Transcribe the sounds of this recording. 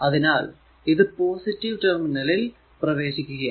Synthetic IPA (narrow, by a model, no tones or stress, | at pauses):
ɐðinaːl | iðɨpo̞ːsitːiʋʈerminɐlil | prɐʋe̞ːɕikʲːuɣɐ